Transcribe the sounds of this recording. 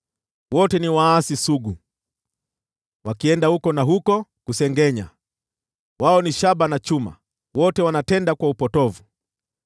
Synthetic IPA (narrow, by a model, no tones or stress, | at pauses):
wɔtɛniwaːsisuɡu | wakiɛndahukɔnaɦukɔkusɛŋɡɛɲa̰ | waɔniʃaɓanat͡ʃuma̰ | wɔtɛwanatɛndakwaupɔtɔvu